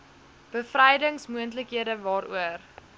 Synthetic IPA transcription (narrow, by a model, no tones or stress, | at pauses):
b̥əfrɛjdəŋsmuənt̬ləkɦiədəvɑːɾṵər